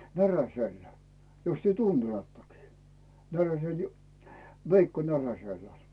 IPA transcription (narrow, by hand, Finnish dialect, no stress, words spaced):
næræselːæ jos tyø tuntelɑtːɑkiː næræsel ju ʋeikːo næræselːæ̥